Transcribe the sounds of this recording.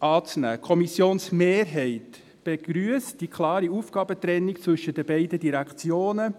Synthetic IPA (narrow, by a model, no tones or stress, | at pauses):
ʔɑːt͡snæ̰ːkʰɔmisjoːnsmeːɾɦɛɪt | b̥eɡ̥ɾyəsd̥ikʰlɑːɾiuːfɡ̥ɑːbət̪ɾɛnːikt͡sʋɵʃəd̥əbɛɪdədiɾækt͡sjoːnə